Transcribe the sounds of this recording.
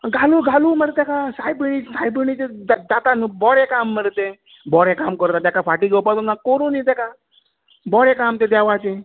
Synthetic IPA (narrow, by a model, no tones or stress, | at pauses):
ɡʱaluːɡʱaluːməɾt̪ekasajbənisajbəñit͡ɕed̪ad̪at̪anubɔɽekamːəɾt̪e | bɔɽekamkəɾt̪at̪akafʰaʈiɡɔwpat̪unakoɾunit̪ɛka | bɔɽekamt̪ed̪ɛʋat͡ɕe